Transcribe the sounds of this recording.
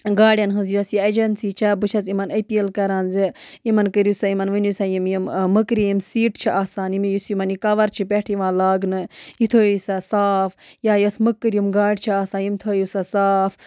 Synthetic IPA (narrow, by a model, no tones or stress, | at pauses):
ɡaːɽʲjɐnɦɨnzjosjiɐd͡ʒɐnsiːt͡ʃʰɐbɨt͡ʃʰɐzimɐnɐpiːlkɐɾaːnzi | imɐnkəɾusaimɐnʋɨnjusajimjimməkɾijimsiːʈt͡ʃʰiʔaːsaːnimijusimɐnikɐʋɐɾt͡ʃʰipʲeʈʰiʋãːlaːɡnɨjit̪ʰoːjisɐsaːfjaːjosməkːɨɾjimɡaːɽʲt͡ʃʰiaːsaːnjimt̪ʰoːjusɐsaːf